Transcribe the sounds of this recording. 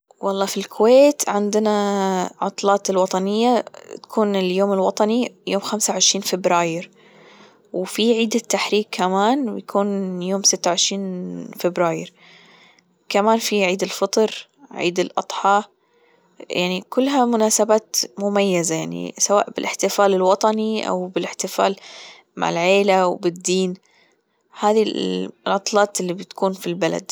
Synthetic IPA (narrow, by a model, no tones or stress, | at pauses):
wʔɑlˤːɑːfilkʰʊweːt̪ʕɪnd̪ɪnaʕʊ̰t̪ˤlɑːt̪ɪlwɑt̪ˤɑnɪjːat̪ḁkʰuːnɪljoːmɪlwɑt̪ˤɑnijoːmxamsaʕɪʃɾiːnfɪbɾaːjɪɾ | wfiʕiːd̪at̪ːaħɾiːkʰːamaːnwjakʰuːnjoːmsɪt̪ːaʕɪʃɾiːnfɪbɾaːjɪɾ | kamaːnfiʕiːd̪ɪlfɨt̪ˤɾ | ʕḭːd̪ɪlʔɑ̰t̪ˤħɑː | jʔaʕnikʊlːɦamʊnaːsabaːt̪mʊmajːazajaʕnḭsawa̰ːʔbɪlʔɪħt̪ɪfaːlɪlwɑt̪ˤɑniʔa̰wbɪlɪħt̪ɪfa̰ːl | ma̰ʕɪ̰lʕeːlawbɪd̪ːiːn | haːðilʕɑt̪ˤlɑːt̪ɪlːibɪt̪kuːnfilbala̰d̪